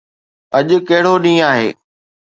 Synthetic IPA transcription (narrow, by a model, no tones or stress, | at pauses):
ɐʄʊ̆kɐɦɪɽ̤oɗĩːaːɦḛː